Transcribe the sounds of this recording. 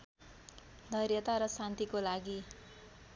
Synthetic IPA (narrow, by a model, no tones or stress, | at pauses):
d̪ʱʌrjʌt̪aɾʌsant̪ikolaɡi